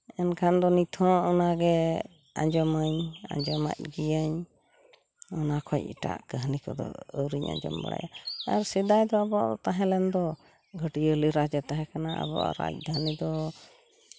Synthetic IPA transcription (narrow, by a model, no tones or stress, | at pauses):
ɛnkʰand̪ɔnit̪ʰɔ̃ɔnaɡɛ | a̰ɲd͡ʒɔməɲa̰ɲd͡ʒɔma̰c̚ɡijaɲ | ɔnakʰɔcḭʈa̰ʔkəɦnikɔd̪ɔ̰əwɾiɲa̰ɲd͡ʒɔ̰mba̰ɽa̰jaaɾsid̪ajd̪ɔabɔɔt̪aɦɛ̃lɛnd̪ɔ | ɡʱəʈiəliɾad͡ʒat̪aɦɛ̃kanaʔa̰bɔ̰ʔa̰ɾa̰c̚d̪ʱanid̪ɔ